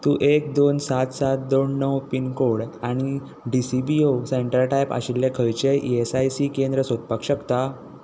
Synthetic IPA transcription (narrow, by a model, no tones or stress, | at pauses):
t̪uːʔek̚d̪onsat̪sat̪̚d̪onːəwpiːnkoɽaɽ̃i | ɖisibioseɳʈəɾʈajpa̰ɕilːekʰəjt͡ɕeʔiesajsikend̪ɾəsot̪̚pakɕəkt̪a